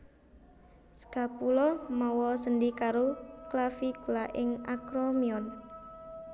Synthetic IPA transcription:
sə̥kapulɔmɔwɔsəndikaɾoklafikulaʔɪŋa̰kɾɔmiɔn

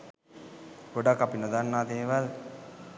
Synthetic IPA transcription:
ɡ̥oɖakːapinod̪anːaːd̪eːʋal

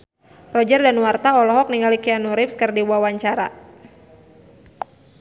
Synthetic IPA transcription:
rɔd͡ʒərdanwart̪aɔlɔɦɔk̚niŋalikianuɾɪpskərdiwawaɲt͡ʃaɾa̰

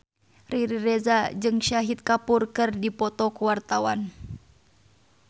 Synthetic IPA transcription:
riɾiɾɛzad͡ʒɨŋʃaɦit̪̚kapurkɨrdipɔt̪ɔkuwart̪awan

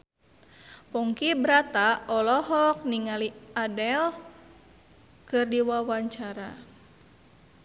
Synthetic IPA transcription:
pɔŋkibɾat̪aɔlɔɦɔk̚niŋaliadɛl | kɨrdiwawaɲt͡ʃaɾa

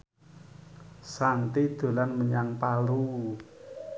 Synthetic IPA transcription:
sant̪id̪̥o̤lanməɲaŋpalu

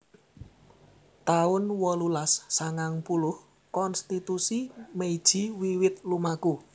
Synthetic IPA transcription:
t̪aʊnwɔlulasːaŋaŋpulʊh | kɔnst̪it̪usimeid̥ʒ̥i̤wiwɪt̪̚lumaku

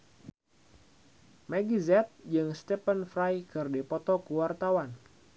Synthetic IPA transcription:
mɛɡizɛt̪̚d͡ʒɨŋst̪ɛpənfɾajkɨrdepɔt̪ɔkuwart̪awan

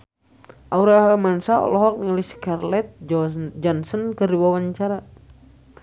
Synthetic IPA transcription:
ʔauɾaɦmansaɔ̰lɔɦɔk̚niliskarlɛt̪̚d͡ʒɔnsɔnkərɾiwawaɲt͡ʃaɾa

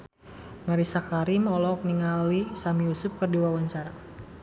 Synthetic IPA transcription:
maɾisakaɾimɔlɔk̚niŋalisamijusʊp̚kɨrdiwawant͡ʃaɾa

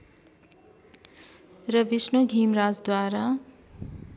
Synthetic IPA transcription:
rʌbisnoɡʱiːmɾaːd͡zd̪waːɾa

